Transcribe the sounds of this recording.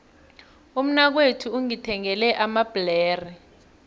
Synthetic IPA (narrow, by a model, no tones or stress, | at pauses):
um̩nak̬wetʰuuŋitʰɛŋɛlɛʔamab̥lɛːri